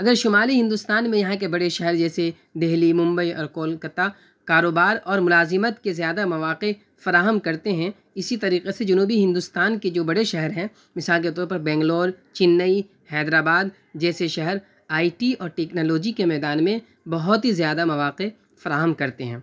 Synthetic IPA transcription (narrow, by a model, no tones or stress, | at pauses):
ɐɡəɾʃʊmaːliɦɪ̃nd̪ʊst̪aːnmẽjɐɦãk̬ebɐɽeʃɛɦɛɾd͡ʒɛːse | d̪eɦlimʊ̃mbəiʔɔ̰ːɾkoːlkɐt̪a | kaːɾoːbaːɾɔːɾmʊlaːzɪmət̪kezjaːd̪amɐʋaːqe | fɐɾaːɦəmkɐɾt̪eɦɛ̃ | ɪsit̪ɐɾiːqesed͡ʒɐnuːbiɦɪ̃nd̪ʊst̪aːnked͡ʒoːbɐɽeʃɛɦɛɾɦɛ̃ | mɪsaːlk̬et̪ɔːɾpɐɾbɛ̃ːŋɡloːɾt͡ʃɪnːəi | hɛːd̪ɾaːbaːd̪ | d͡ʒɛːseʃɐɦɛɾ | aːiʈiɔːɾʈɛːknoːloːd͡ʒikemɛːd̪aːnmẽ | bɐɦʊt̪ɦizjaːd̪amɐʋaːqe | fɐɾaːɦəmkɐɾt̪eɦɛ̃ː